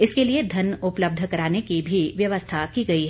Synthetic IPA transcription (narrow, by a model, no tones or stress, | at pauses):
ɪskelied̪ʱɐnʊpləb̚d̪ʱəkɐɾaːnekibʱiʋjɐʋəst̪ʰakiɡɐiɦɛ